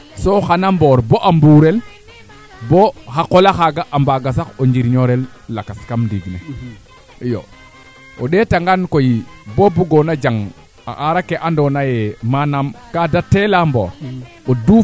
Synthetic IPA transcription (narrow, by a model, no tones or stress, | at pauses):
soxanamboːɾboʔambuɾel | bohakolaxaɡaʔambaɡas̬akoɲd͡ʒiɾɲoɾelː | akaskamdiɡnḛ | jo̰ | oɗetaŋɡankojibobuɡonad͡ʒaŋ | a̰ʔaɾakeʔandonajemanamkadatelambo̰ːɾ | odu